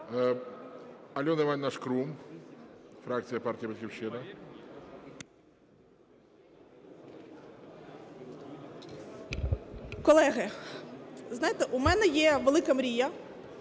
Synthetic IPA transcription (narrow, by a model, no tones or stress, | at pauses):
ɐlʲɔnɛʋanʲnaʃkɾum | fɾakt̪t͡sʲijɐpartʲijɐbet̪xʲiwʃɪnɐ | kɔlˠɛɦɐ | znajɪt̪ɛʔumɛnɛjɛʋelˠɪkɐmɾʲijɐ